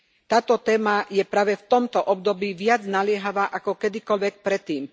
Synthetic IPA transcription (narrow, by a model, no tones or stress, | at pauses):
t̪aːt̪ɔt̪ɛːmajɛpɾaːʋɛft̪ɔmt̪ɔʔɔbd̪ɔbiːʋɪad͡znalɪɛɦaʋaːʔakɔkɛd̪ikɔlʋɛk̚pɾɛt̪ːiːm